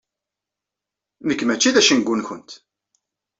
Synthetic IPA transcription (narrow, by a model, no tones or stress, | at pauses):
məkːmæt͡ʃːiðæʃənɡʷːunçʊnt̪